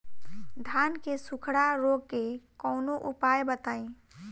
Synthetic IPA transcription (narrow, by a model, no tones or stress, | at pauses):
d̪ʱaːnkesʊkʰɽaɾoːɡ̚kekɔːnoʔupaːjbət̪aːĩ